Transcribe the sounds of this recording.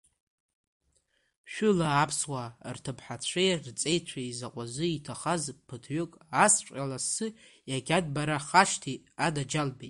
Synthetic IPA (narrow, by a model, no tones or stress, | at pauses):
ʃᶣʊlaːpʰswartʰɨpʰħat͡sʷʰejrt͡sʼe̞jt͡ɕʷʰaizaqʷʼazʷɨitʰaχazpʰɨtʰɥʏkʼast͡ʃʷʼalasɨ | jaɡʲadbaɾaχaʃtʰi | adad͡ʒalbitʼ